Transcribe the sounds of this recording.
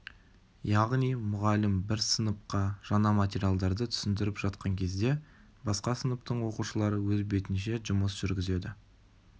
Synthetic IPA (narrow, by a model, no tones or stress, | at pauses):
jɑʁnijmʊʁɑlɪmbɪɾsənəp̚qɑʒ̥ɑnɑmat̪ʲeɾʲijalˠd̪ɑɾd̪ət̪ʰʏ̥sɪnd̪ɪɾɪpʒ̥ɑt̪qɑŋkʲʰe̞zd̪e̞ | bɑsqɑsənəpt̪əɴwo̞quʃəlˠɑɾəwɵzbe̞t̪ɪnʃe̞ʒʊməsʒ̥ʏɾɡʲɪze̞d̪ɪ